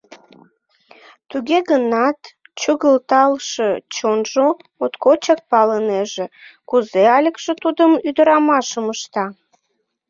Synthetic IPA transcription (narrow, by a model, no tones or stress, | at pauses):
t̪uɣeɣənɑt̪ | t͡ɕuɣəlt̪ɑlʃət͡ɕonʒo | ot̪kot͡ɕɑk̚pɑləneʒekuzeɑlʲəkʃet̪ud̪əmyd̪əɾɑmɑʃəməʃt̪ɑ